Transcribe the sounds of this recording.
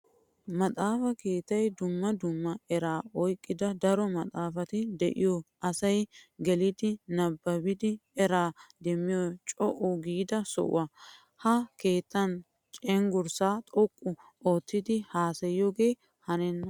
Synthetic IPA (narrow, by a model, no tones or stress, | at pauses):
mɐt̪ʼaːfɐke̞ːt̪ːɐjd̪ʊmːɐd̪ʊmːɐɛɾaːɔjkʼːɪd̪ɐd̪ɐɾɔmɐt̪ʼaːfɐt̪ɪd̪ɛ̰ʔɪjɔʔɐsɐjɡɛlɪd̪ɪnɐbːɐbɪd̪ɪɛɾaːd̪ɛmːɪjɔt͡ʃʼɔʔɔɡiːd̪ɐsɔ̰ʔɐ | hɐke̞ːt̪ːɐn | t͡ʃʼɛŋɡʊɾsaːt̪ʼɔkʼːʊ | ʔoːt̪ːɪd̪ɪhaːsɛjoɡeː | hɐnɛnːɐ